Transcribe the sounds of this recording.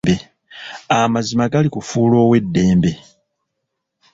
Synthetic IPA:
be̞ | amazimaɡalikufuːlo̞ːwe̞dːe̞ːmbe̞

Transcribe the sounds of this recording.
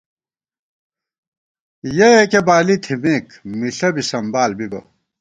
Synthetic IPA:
jeekebaːlit̪ʰimeːkmiɬɐbisɐmbaːlbibɐ̰

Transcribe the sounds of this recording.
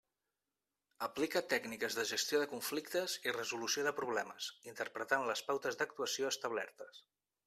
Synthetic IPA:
əplikət̪ɛɡnikəzðəʒəst̪joðəkuɱflik̚t̪əzirəzulusioðəpɾuβ̞lɛməzint̪əɾpɾət̪anləspawt̪əzd̪ək̚t̪uəsioəst̪əβlɛ̰ɾt̪əs

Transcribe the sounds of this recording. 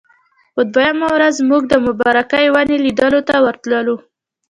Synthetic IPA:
ʊd̪wajamawɾazmuɡ̚d̪əmʊbɑɾakajwanelid̪əlot̪awəɾt̪ləlu

